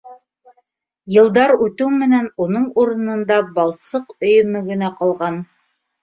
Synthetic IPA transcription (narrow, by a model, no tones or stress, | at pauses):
jɤ̆lˠd̪ɑɾʉt̪ʉwmɘ̆nænunɤɴuɾɤ̆nɤ̆nd̪ɑbɑlˠsɤqɵ̆jɵ̆mɘ̆ɡɘ̆næqɑlˠʁɑn